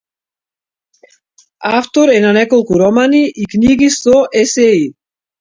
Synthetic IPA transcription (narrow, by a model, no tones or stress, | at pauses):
aft̪oɾɛnanɛkolkuɾɔmaniʔikniɡisoʔesɛi